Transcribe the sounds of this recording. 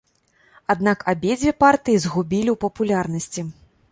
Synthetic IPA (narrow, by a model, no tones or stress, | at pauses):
ad̪nakabʲed͡zʲvʲɛpart̪ɨjizɣubʲilʲiwpɐpulʲarnɐsʲt͡sʲi